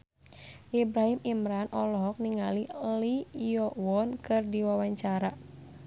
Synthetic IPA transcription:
ʔibɾaɦimimɾanʔɔlɔɦɔk̚niŋalilijɔwɔnkɨrdiwawaɲt͡ʃaɾa

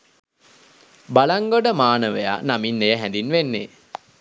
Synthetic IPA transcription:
balaŋɡoɖəmaːnəʋeja̰naminːejəɦænd̪inʋenːe

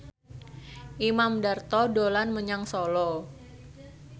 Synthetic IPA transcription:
ʔimamdart̪ɔdolanməɲaŋsolɔ

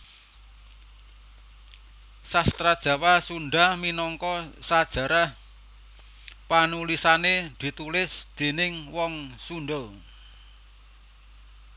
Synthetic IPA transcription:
sast̪ɾad̥ʒ̥a̤wasuɳɖahminɔŋkɔsad̥ʒ̥ä̤ɾah | panulisaned̪̥i̤t̪ulɪsd̪̥e̤nɪŋwɔŋsunɖʊl

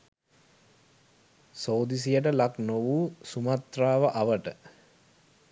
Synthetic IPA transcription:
soːd̪is̬ijəʈ̬əlaknoʋuːsumat̪raːʋəʔaʋəʈə

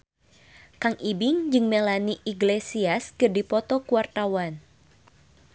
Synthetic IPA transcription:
kaŋibɪŋd͡ʒɨŋmelaniʔiɡlesiaskɨrdipɔt̪ɔkuart̪awan

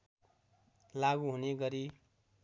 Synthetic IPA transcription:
laɡuɦuneɡʌɾi

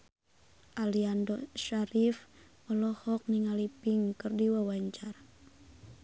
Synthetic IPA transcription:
ʔaliandɔʃaɾif | mɔlɔhɔk̚niŋalipiŋkɨrdiwawaɲt͡ʃar

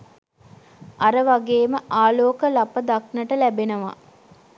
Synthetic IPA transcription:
ʔaɾəʋaɡeːməʔaːloːkəlapəd̪aknəʈəlæbenɐʋa̰

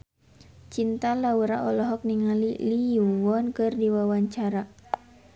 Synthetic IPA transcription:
t͡ʃint̪alauɾa̰ʔɔlɔɦɔk̚niŋaliliuwɔnkɨrdiwawaɲt͡ʃaɾa

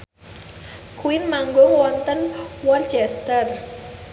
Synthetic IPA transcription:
kʰuwinmaŋɡoŋwɔnt̪ənwɔnt͡ʃɛst̪ər

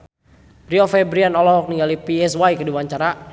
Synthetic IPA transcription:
riɔfɛbɾianɔlɔɦɔk̚niŋɡalipiɛswajkəduwaɲt͡ʃaɾa

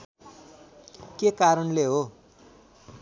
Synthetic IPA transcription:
kekaɾʌnleɦo

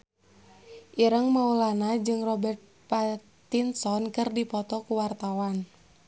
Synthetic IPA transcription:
ʔiɾəŋmaulanad͡ʒɨŋrɔbɛrt̪̚pat̪ | insɔnkɨrdipɔt̪ɔkuwart̪awan

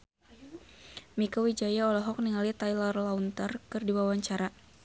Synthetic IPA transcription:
mikɔwid͡ʒajaɔlɔɦɔk̚niŋalit̪ajlarlaunt̪ərkɨrdiwawaɲt͡ʃaɾa

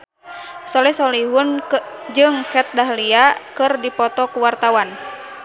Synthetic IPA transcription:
sɔlɛsɔliɦund͡ʒɨŋkɛt̪̚daɦliakɨrdipɔt̪ɔkuwart̪awan

